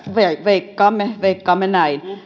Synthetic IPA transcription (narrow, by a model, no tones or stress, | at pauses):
ʋeʋeikːɑːmːeʋeikːɑːmːenæin